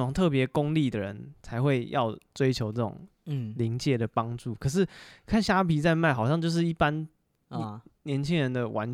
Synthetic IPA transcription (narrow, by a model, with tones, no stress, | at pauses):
ŋt̪ʰɤ˥˩p̬jɛ˨˧˦kʊ˥˦ŋli˥˨d̪ə˩ɻə̰˧˦nt͡sʰa˧˥ɪxwe˥˧ɪjɑ˥˩ʊt͡swe˥ɪt͡ɕʰjo˧˥ʊʈ͡ʂɤ˥˩ʈ͡ʂʊ̰˨˩ŋ | li˧˥ŋt͡ɕjɛ˨˥˦d̪ə˨pɑ˦ŋʈ͡ʂu˥˩kʰɤ˨˩ʂ̬ɻ̩˥˩kʰa˥˨nɕja˥pʰi˧˥t͡sa˥˧ɪma˥˩ɪxɑ˨˩ʊɕjɑ˥˧ŋt͡ɕjo˥˧ʊʂ̬ɻ̩˥˩i˥˩pa˦n˧ | njɛ˧˦nt͡ɕʰi˥ŋɻə˧˦nd̪ə˨wʔa̰˧˦n